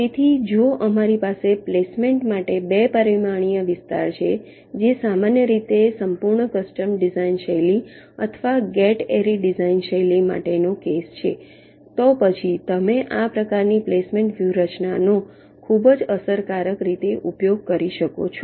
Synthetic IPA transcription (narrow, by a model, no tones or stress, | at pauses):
et̪ʰid͡ʒoʔəmaɾipaseplesmeɳʈmaʈebepəɾimaɽ̃ijəʋɪst̪a̰ɾt͡ʃʰe | d͡ʒesamanjəɾit̪esəmpuɾɳəkəsʈəmɖizainʃəjli | ə̰t̪ʰəʋaɡɛʈeɾiɖizainʃəjlima̰ʈenokest͡ʃʰḛ | t̪ɔpət͡ʃʰit̪əmeʔapɾəkaɾniplesmẽɳʈʋjuɾət͡ʃnano | kʰubəd͡ʒəsəɾkaɾəkɾit̪eʔupjoɡ̚kəɾiʃəko̰t͡ʃʰo